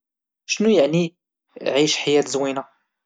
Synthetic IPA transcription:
ʃnujəʕni | ʕiʃħajæt̪zwina

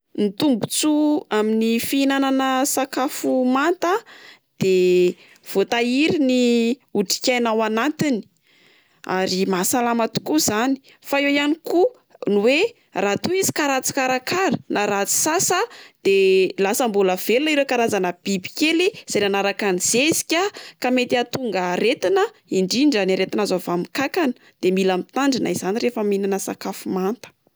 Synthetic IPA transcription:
nit̪umbut͡suaminifiinananəsakafumant̪əd̪̥e | v̥ot̪aiɾiniuʈ͡ʂi̥kʲajnawanant̪ini̥ | a̰ɾimasalamat̪u̥kuzani̥ | faewjaniku | nuwe | rat̪uizi̥kaɾat͡si̥kaɾakaɾənaɾat͡si̥sasəd̪̥elasəmbuləv̥elunaiɾekaɾazanəb̥ibi̥keliz̥ajnanaɾakaniz̥ezi̥kʲakamet̪iat̪uŋɡəɾet̪inə | iɳɖ͡ʐiɳɖ͡ʐanaɾet̪inazovamikakanə̥ | d̪̥emilamit̪aɳɖ͡ʐinaiz̥aniɾefəminanəsakafumant̪ə̥

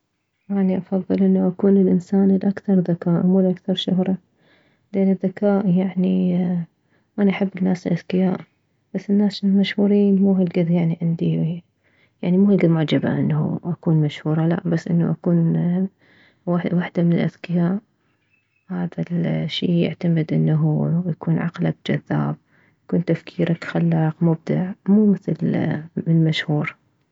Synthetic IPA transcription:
ʔaniʔɑfɑðˤːɨlʔɪnːaʔakuːnɪlʔɪnsaːnlʔakθɑɾˤðakaːʔmuːlʔakθɑɾˤʃʊɦɾˤɑ | lʔɪnːɪðːakaːʔjaʕni | ʔanaʔaħɪbːɪnːaːsɪlʔaðkɪjaːʔ | b̥asːɪnːaːsmaʃhuːɾiːnmuːhɪlɡɪðjaʕniʕɪnd̪i | jaʕnimuːhɡɪd̪mʊʕd͡ʒɪba̰ʔɪnːhṵʔakuːnmaʃhuːɾˤɑla̰ʔbasːʔɪnːṵʔakuːn | wawaħd̪amɪnɪlʔa̰ðkɪjaːʔ | haːðaʃːiːjɪ̰ʕt̪amɪd̪ʔɪnːaɦujakuːnʕa̰qlab̚d͡ʒa̰ðːa̰ːb̚ | jakuːnt̪afkʰiːɾʔakxalːɑqmʊb̚d̪a̰ʕmuːmɪθlmmaʃhuːɾ

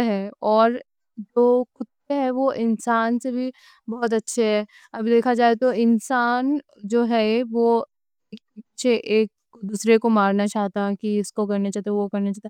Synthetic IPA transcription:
ɦɛɔːɾ | d͡ʒoːkʊt̪ːeɦɛʋoʔɪnsaːnsebʱi | bɔːt̪̬ɐtːʃʰeɦɛː | ɐbʱid̪eːkʰad͡ʒaːet̪oɪnsaːn | d͡ʒoːɦɛʋo | eːk̚ːʃʰeʔeːk̚ | d̪uːsɾekomaːɾnat͡ʃaːɦt̪aɦɛkiɪskokɐɾnat͡ʃaːɦt̪aʋokɐɾnat͡ʃaːt̪e

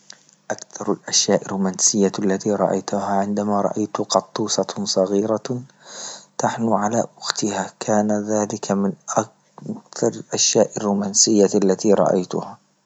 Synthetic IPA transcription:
ʔakθɑɾˤlʔaʃjaːʔɪrːumaːnsɪjːalːat̪iːɾˤɑ̰ʔa̰jt̪ʊhaʕɪnd̪amaɾˤɑ̰ʔajt̪ʊqɑt̪ˤːuːsɑsˤɑɣiːɾa | t̪aħnʊʕalaːwʊxt̪ɪhakʰaːnaðaːlɪkʰamɪnʔak̚ | kθɑɾˤalʔaʃjaːʔɪrːumaːnsɪjːaalːat̪iɾˤɑ̰ʔa̰jt̪ʊha

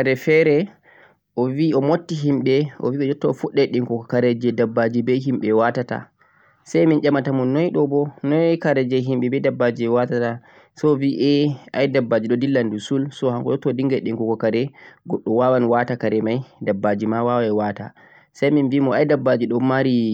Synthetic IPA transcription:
kaɾɛfɛɾɛ | ʔɔviɔmotːiɦimɓɛʔɔ̰viɓɛd͡ʒɔtːɔfuɗːɛɗiŋkɔkɔkaɾɛd͡ʒɛdabːad͡ʒibɛɦimɓɛwatata̰ | sajmind͡ʒamatamɔnːɔjɗɔbɔnɔjkaɾɛd͡ʒɛɦimɓɛbɛdabːad͡ʒiɛwatata | sɔviʔɛajdabːad͡ʒiɗɔdilːandusulsɔhaŋkɔɗɔtːɔdiŋɡaɗiŋkɔkɔkaɾɛɡɔɗːɔwawanwatakaɾɛmajdabːad͡ʒimawawɛwata̰ | sajminvimɔajdabːad͡ʒiɗɔmaɾi

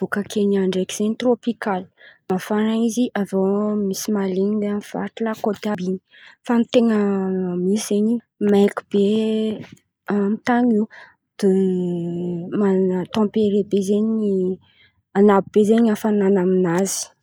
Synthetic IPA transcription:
b̥okakʰeɲaɳɖ͡ʐekiz̥eɲit̪ropikalmafanaiziʔazomisimaleɲid̪eamfa̰t̪ulakot̪abini | fanit̪eŋəmiszeɲi | majki̥b̥e | amit̪aɲi | d̪̥e | mat̪ɑ̃peɾebezeɲii | anabib̥ezeɲafananaminazi̥

